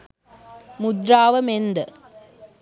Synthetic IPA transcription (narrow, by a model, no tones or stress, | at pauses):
mʊd̪ɾaːʋɐmend̪ɐ